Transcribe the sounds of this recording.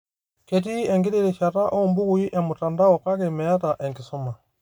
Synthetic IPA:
ket̬iɛŋɡiɾiɾiʃataʔombuɣuiʔɛmutandaɔkakɛmɛjataʔɛŋɡisuma

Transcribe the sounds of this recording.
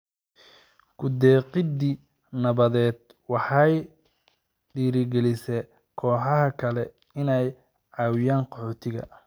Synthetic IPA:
kʰʊd̪ɛːqɪd̪i | nɐβɐðɛːd̪ | wɑħɑj | ɖiːɾɪɡɛlɪsɛ | kʰɔːħɑɦɐkʰɐlɛ | ɪnɛj | ʕɑːwɪjaːnqɔħɔːt̪ʰɪɣɐ̰

